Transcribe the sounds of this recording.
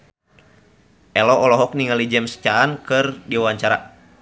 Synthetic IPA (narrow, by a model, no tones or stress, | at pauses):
ʔɛlɔʔɔlɔɦɔk̚niŋalid͡ʒɛmst͡ʃaːnkɨrdiawaɲt͡ʃaɾa̰